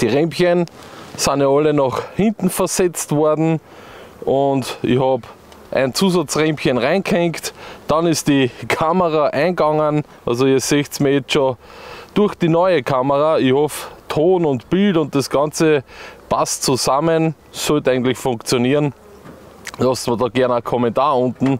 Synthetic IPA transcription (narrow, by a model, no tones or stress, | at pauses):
d̥iːʁɛmpçənsanjaɑlənɑχhɪ̃ntn̩fəɐsɛt͡stv̥ɔɐdn̩ | ʔʊndɪ̰çhɑb | ʔæ̰ɪnt͡suːsɑt͡sʁɛmpçənʁãɪnɡhɛŋktd̥ɑnɪst̚d̥ikʰaməʁaʔãɪnɡɑŋənʔɑlzoɪseːçtsmiːɐjɛt͡sʃod̥ʊɐxd̥inɔʏəkʰaməʁaɪhɔftʰoːnʊntb̥ɪltʊ̃nt̚d̥asɡ̥ɑnt͡səpʰastt͡susamən | sɔltæɪɡŋ̩tlɪçfʊ̃ŋkt͡sjoniːʁn | lɑstməɐdɑːɡ̥ɛɐnakʰɔmɛ̃ntaːɐʊ̃ntn̩